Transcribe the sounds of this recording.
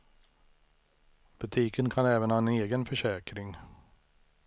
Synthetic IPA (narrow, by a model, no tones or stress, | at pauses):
b̥ɵt̪ʰiːkənkʰanɛːvənhɑːɛneːɡənfœʂɛːkɾɪŋ